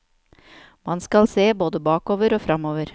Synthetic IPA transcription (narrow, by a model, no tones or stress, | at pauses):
mɑnskɑlseːboːd̪əbɑːkoːʋəɾoːfɾɑmoːʋəɾ